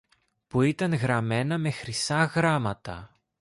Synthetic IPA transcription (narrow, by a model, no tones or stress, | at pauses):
puit̪ɐŋɣɾɐme̞nɐme̞xɾisɐɣɾɐmɐt̪ɐ̰